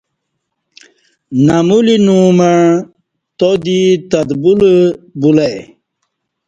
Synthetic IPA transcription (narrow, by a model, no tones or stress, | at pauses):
namulinumaɳ | t̪od̪it̪ad̪buləbulaj